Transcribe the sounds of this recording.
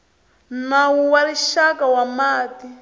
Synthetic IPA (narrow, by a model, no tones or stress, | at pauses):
nawuwaliʃakawamaːti